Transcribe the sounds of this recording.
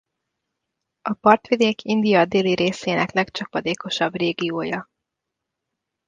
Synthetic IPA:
ɒpɒrt̪ʋid̪eːkʰind̪ijɒd̪eːliɾeːseːnɛklɛkt͡ʃɒpɒd̪eːko̞ʃɒbreːɡioːjɒ

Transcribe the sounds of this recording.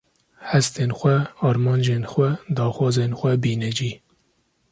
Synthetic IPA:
hɛst̪eːnxʷɛɑːɾmɑːnd͡ʒeːnxʷɛd̪ɑːxwɑːzeːnxʷɛbiːnɛd͡ʒiː

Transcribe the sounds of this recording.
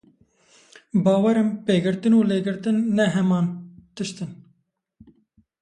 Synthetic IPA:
bɑːwɛɾɨmpeːɡɨɾt̪ɨnuːleːɡɨɾt̪ɨnːɛɦɛmɑːnt̪ɨʃt̪ɨn

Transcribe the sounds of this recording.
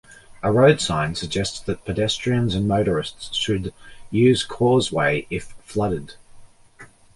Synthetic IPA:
əɹəʊd̥sɑ̃ɪ̃nsəɡ̚d͡ʒɛstsðɨt̚pʰɨdɛstɹ̥iə̃nzə̃nməʊɾə˞ɪstsʃɨdjʉːz̥kʰɔːzweɪʔɪfflʌɾɪd̥

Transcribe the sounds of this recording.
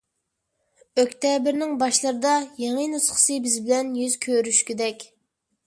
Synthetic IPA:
økʲt̪ʰɛbɪɾnɪŋbɑʃlˠɨɾɨd̪ɑjeŋɨnusχə̥sɨbɪzbɪlɛnjyzkʲʰøɾyʃkʲid̪ɛkʲ

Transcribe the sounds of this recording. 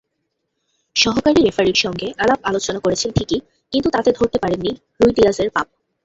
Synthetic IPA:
ʃɔɦokaɾiɾefaɾiɾʃɔŋɡeʔalab̚alot͡ɕonakoɾet͡ɕʰenʈʰiki | kint̪ut̪at̪ed̪ʱoɾt̪epaɾenːi | ɾujɖiazeɾpap̚

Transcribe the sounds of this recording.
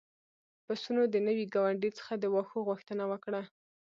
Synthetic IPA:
pəsunod̪ənəwiɡɑwaɳɖit͡sə̥xad̪əwɑxoɣuxt̪ənawəkɽa

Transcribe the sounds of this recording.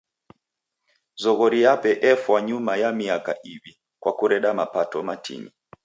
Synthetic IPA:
zɔɣɔɾijapɛʔɛfwaɲumajamiakaʔivi | kwakuɾɛɗamapatɔmatʰḭnḭ

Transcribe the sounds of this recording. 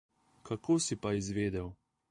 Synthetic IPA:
kakʰoːsipaizʋeːd̪ɛw

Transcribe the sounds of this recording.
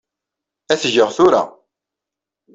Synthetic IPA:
æθʝəʁθʊɾa̰

